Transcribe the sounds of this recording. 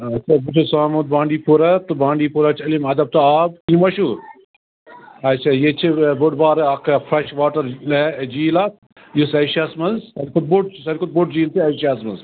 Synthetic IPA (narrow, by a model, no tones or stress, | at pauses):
ɐt͡ʃʰabut͡ʃʰɐsaːmut̪̚bãːɳɖiːpuɾɐt̪ubãːɳɖiːpuɾɐt͡ʃʰɐlimɐd̪ɐb̚t̪ɐaːb̚kimɐʃuːɾ | ɐt͡ʃʰajet͡ʃʰibʊɖbaːɾɐkfɾɐʃʋaːʈɐɾled͡ʒiːlaːt̪̚ | jisɐʃasmɐnzɐlkʰut̪̚buʈ̚sɐlʲkut̪̚buʈ̚d͡ʒiːlt̪iɐʃaːsmɐnz